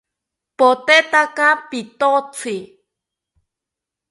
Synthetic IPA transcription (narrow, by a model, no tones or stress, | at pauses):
pot̪et̪akapit̪ot͡sʰi